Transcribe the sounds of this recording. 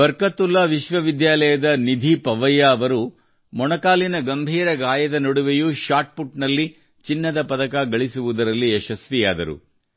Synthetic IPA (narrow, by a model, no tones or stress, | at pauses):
ʋɐɾkɐt̪ːulːɐʋiʃʋɐʋid̪jaːlɐjɐd̪ɐnid̪ʱipɐʋɐjaːʋɐɾu | mɔnɐkaːlinɐɡɐmbʱiːɾɐɡaːjɐd̪ɐnoɽuʋejuʃaːʈ̚puʈnɐlːi | t͡ʃinːɐd̪ɐpɐd̪ɐkaɡɐɭisuʋud̪ɐɾɐlːiɛʃɐsʋijaːd̪ɐɾṵ